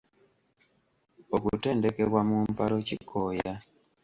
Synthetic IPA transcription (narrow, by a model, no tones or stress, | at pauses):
okute̞ːndeke̞βwamumpalo̞cikʰoːja